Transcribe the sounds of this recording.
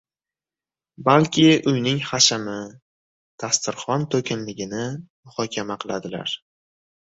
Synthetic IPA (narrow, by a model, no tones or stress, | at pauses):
balkʲʰɪʊjnɪŋχaʃamɪ | t̪ʰast̪ʰɪɾχɒnt̪ʰɵkʲʰɪnlɪɡʲɪnɪmʊχɒkʲʰamaqʰɨlˠad̪ɪla̰ɾ